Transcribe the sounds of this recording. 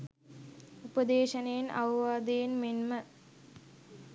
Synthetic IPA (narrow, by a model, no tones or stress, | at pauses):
upəd̪eːʃɐnejenʔɐ̰ʋɐʋaːd̪ejenmenmə